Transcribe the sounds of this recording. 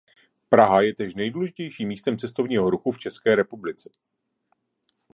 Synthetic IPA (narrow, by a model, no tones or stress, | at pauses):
pɾaɦajɛt̪ɛʃnɛjduːlɛʒɪ̥cɛjʃiːmːiːst̪ɛmt͡sɛst̪o̞vɲiːɦo̞ɾuxuft͡ʃɛskɛːɾɛpublɪt͡sɛ̥